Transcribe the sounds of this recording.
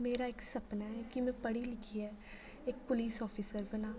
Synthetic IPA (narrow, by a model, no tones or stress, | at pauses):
meːɾaːɪksəpnaːɛkɪmɛ̃ːpəɽiːlɪkʰiːɛː | ɪk̚pʊliːsɔːpʰiːsəɾbənaː